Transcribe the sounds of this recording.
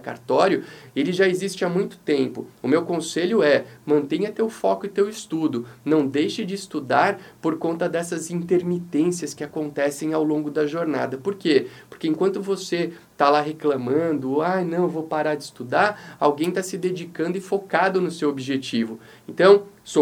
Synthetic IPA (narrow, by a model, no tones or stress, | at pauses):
ka̰ɾt̪ɔɾjʊelɪʒaezist͡ʃɪamũj̃t̪ʊ̥t̪ẽmpʊʊmewkõseʎʊɛmɐ̃nt̪ẽj̃ɐt̪ewfɔkʊɪt̪ewɪst̪ud̪ʊnɐ̃w̃d̪ejʃɪd͡ʒɪːst̪ud̪aɾpoɾkõnt̪ɐd̪ɛsɐzĩnt̪eɾmit̪ẽsiɐskɪakõnt̪ɛsẽj̃awlõɡʊd̪ɐʒoɾna̰d̪ɐpoɾkepoɾkeẽkwɐ̃nt̪ʊvose | t̪alaɦeklɐ̃mɐ̃nd̪ʊajnɐ̃w̃evowpaɾaɾd͡ʒɪːst̪ud̪aɾawɡẽj̃t̪asɪd̪ed͡ʒikɐ̃nd̪ʊɪfokad̪ʊnʊsewobiʒet͡ʃivʊ | ẽnt̪ɐ̃w̃ | so